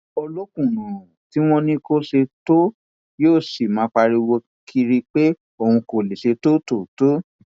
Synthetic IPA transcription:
o˧lo˦kũ˦˨nũ˨ũ˨ti˨˦w̃ɔ̃˧nĩ˧ko˦ʃe˧to˦ | joː˦˨si˨mã˨˦k͡pa˧ɾi˧wo˧ | kʰi˧ɾi˧k͡pe˦ | o˦˨hũ˧ko˨le˨ʃe˧to˦to˦˨to˨˦

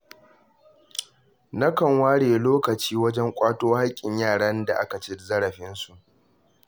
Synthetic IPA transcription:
nɐ˦kɐ˨ŋwaː˦ɽeː˨loː˦kɐ˨t͡ʃiː˦wɐ˦d͡ʒɛ˦ŋkʷʼaː˦toː˦ha˦kʲʼːɪ˨ɲjaː˦˨ɽɐ˦nda̰˨ʔa˦ka˨t͡ʃe˦zɐ˦ɽɐ˨ɸɪ˦nsu˨ʔ

